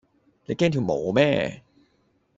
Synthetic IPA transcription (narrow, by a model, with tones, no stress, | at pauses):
lɛ˨˦˥keː˥˩nt̪ʰɯː˨˩˦moː˩˦mɛː˥˩˨